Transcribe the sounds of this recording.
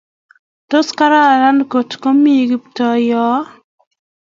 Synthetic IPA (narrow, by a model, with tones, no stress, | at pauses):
to˦ska˦ɾa˦˨ɾa˦nko˨tko˦mi˦˨ɡɪ˦ptɔ˨jɔ˨˦